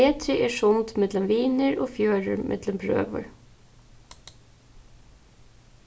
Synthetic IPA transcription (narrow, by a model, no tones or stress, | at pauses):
eːt̪ʰɾəʔeːʃʊnt̪mɛd̪ləmʋiːnəɹoːfjøːɹəɹmʔɛ̰d̪ləmbɾø̰ːʋə̰ɹ